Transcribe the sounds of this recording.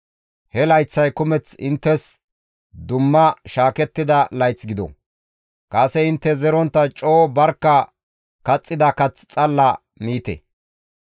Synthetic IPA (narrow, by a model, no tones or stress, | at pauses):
hɛlɐjt͡sːɐjkʊmɛt͡sɪ̰nt̪ːɛs | d̪ʊmːɐʃaːkɛt̪ːɪd̪ɐlɐjt͡sɡɪd̪ɔ̰ | kʼɐsɛɪnt̪ːɛzɛɾɔnt̪ːɐt͡ʃʼo̞ːbɐɾkːɐ | kɐt͡sʼːɪd̪ɐkɐt͡st͡sʼɐlːɐ | miːt̪ḛ